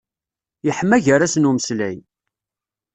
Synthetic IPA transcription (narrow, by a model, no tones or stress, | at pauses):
jəħmːæʝəɾæsnuməslæj